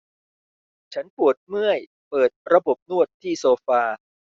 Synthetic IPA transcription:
t͡ɕʰa˦˥npu˨˩ət̪̚mɯ˥˩əj | pɤː˨˩t̪̚ɾa˧bo˨˩p̚nu˥˩ət̪ʰːiː˥˩soː˧faː˧

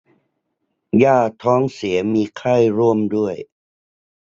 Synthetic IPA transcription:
jaː˥˩t̪ʰɔː˦˥ŋsi˩˦ɐmiː˧kʰa˥˩jɾu˥˩əmdu˥˩əj

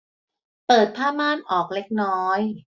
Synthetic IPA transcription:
pɤː˨˩t̪̚pʰaː˥˩maː˥˩nʔɔː˨˩k̚le˦˥k̚nɔː˦˥j

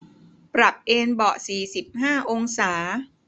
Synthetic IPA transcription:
pɾa˨˩p̚ʔeː˧nbɔ˨˩siː˨˩si˨˩p̚haː˥˩ʔo˧ŋsaː˩˦

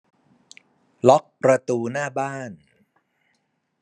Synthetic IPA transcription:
lɔ˦˥k̚pɾa˧t̪uː˧naː˥˩baː˥˩n

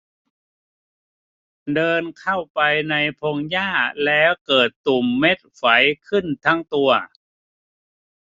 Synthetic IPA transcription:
dɤː˧nkʰa˥˩wpa˧jna˧jpʰo˧ŋjaː˥˩lɛː˦˥wkɤː˨˩t̪ːu˨˩mːe˦˥t̪̚fa˩˦jkʰɯ˥˩nt̪ʰa˦˥ŋt̪u˧ɐ

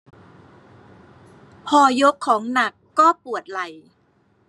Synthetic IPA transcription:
pʰɔː˧jo˦˥kʰːɔː˩˦ŋna˨˩kːɔː˥˩pu˨˩ət̪̚la˨˩j

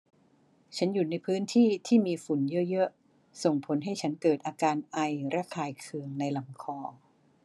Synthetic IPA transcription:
t͡ɕʰa˦˥nju˨˩na˧jpʰɯː˦˥nt̪ʰiː˥˩t̪ʰiː˥˩miː˧fu˨˩˦njɤ˦˥ʔjɤ˦˥ʔ | so˨˩ŋpʰo˨˦˥nɦa˥˩jt͡ɕʰa˦˥nkɤː˨˩t̪̚ʔaː˧kaː˧nʔa˧jɾa˦˥˩kʰaː˧jkʰɯ˧əŋna˧jla˨˩˦mkʰɔː˧

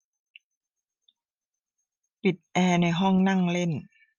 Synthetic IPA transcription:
pi˨˩t̪̚ʔɛː˧na˧jɦɔ˥˩ŋna˥˩˨ŋle˥˩˨n

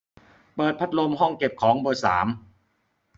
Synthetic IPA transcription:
pɤː˨˩t̪̚pʰa˦˥t̪̚lo˧mɦɔ˥˩ŋke˨˩p̚kʰɔː˩˦ŋboː˨˩jsa̰ː˩˦m

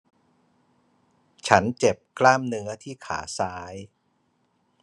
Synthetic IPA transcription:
t͡ɕʰa˦˥nt͡ɕe˨˩p̚klaː˥˩mnɯ˦˥ɐt̪ʰiː˥˩kʰa̰ː˩˦saː˦˥j

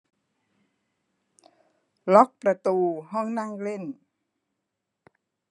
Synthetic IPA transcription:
lɔ˦˥k̚pɾa˧˨t̪uː˧˩ɦɔ˧˥˨ŋna˧˥˨ŋle˧˥˨n

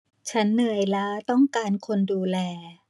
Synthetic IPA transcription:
t͡ɕʰa˦˥nːɤː˧jla˦˥t̪ɔ˥˩ŋkaː˧nkʰo˧nduː˧lɛː˧

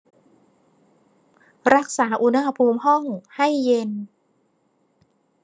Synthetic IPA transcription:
ɾa˦˥k̚saː˩˦ʔu˧˥na˧ha˧pʰuː˧mhɔ˥˩ŋha˥˩jːe˧n

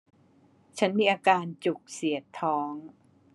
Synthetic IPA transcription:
t͡ɕʰa˦˥nmiː˧ʔaː˧kaː˧nt͡ɕu˨˩k̚si˨˩˦ət̪ʰːɔː˦˥ŋ

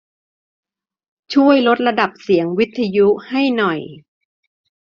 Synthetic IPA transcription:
t͡ɕʰu˥˩əjlo˦˥t̪̚ɾa˧da˨˩p̚si˨˩˦əŋwi˦˥t̪ʰːa˧ju˦˥ha˥˩jnɔ˨˩j

